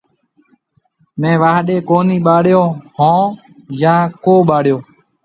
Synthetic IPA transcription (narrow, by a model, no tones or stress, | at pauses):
mẽːʋaːɦɗeːkoːniːɓaːɽjoːhõː | jãːkoːɓaːɽjoː